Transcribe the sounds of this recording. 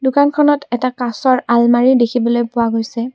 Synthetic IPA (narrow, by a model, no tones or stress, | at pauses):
dʊkankʰɔnɔtɛtakasɔɹalmaɹidekʰibɔlojpʊwaɡojsɛ